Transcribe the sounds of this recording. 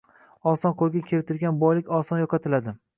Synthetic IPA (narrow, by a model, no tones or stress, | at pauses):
ɒsɒnqʰolˠɡʲakʲʰeɾɪt̪ʰɪɾɡʲanbɒjlɪkʲɒsɒnjɒqʰɑt̪ʰɪlad̪ɪ